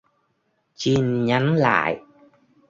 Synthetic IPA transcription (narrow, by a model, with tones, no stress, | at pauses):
t͡ɕi˧nɲa˨˦nla̰ː˧˨j